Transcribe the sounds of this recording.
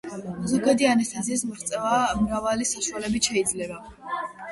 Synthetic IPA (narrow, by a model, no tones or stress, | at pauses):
zɔɡad̪ianɛst̪ʰaziːs̬mɾt̪sʼɛvamɾavalisaʃualɛbiʃɛid̪zlɛba